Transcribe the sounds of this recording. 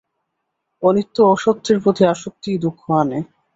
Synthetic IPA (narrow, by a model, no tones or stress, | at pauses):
onit̪ːoɔʃok̚t̪ʰːeɾpɾot̪ʰiaʃok̚t̪id̪ukʰːoane